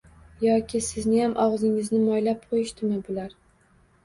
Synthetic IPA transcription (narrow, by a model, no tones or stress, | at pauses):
jɒkʲɪsɪznɪjamʔɒʁzɪŋɪznɪmɒjlap̚qʰojɪʃt̪ɪmɪbʊlaɾ